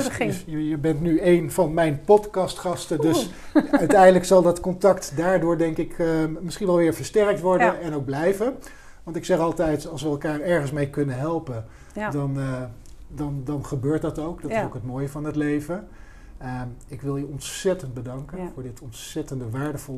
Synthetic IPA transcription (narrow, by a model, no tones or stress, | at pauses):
jjəbɛntnyejnvɑnmɛjnpɔtkɑstχɑstəndøs | œɥtɛjdələksɑlˠdɑtkɔntɑktdaːɹdʊːɹdɛŋkɪkmɪsχinʋɛlˠʋɪːɹvəɹstɛrək̚tʋɔɹdənɛnowɡ̚blɛjvən | ʋɑntɪksɛχɑlˠtɛjtɑlˠsʋəɛlˠkaːrɛɹχənsmejkɵnənɦɛlˠpən | dɑn | dɑndɑnχəbøːɹt̚dɑtowkdɑtsowkɦət̚moːjəvɑnɦətlejvən | əɪkʋɪlˠjəɔntsɛtənd̚bədɑŋkənvʊːɹdɪtʰɔntsɛtəndəʋaːɹdəvɔlˠ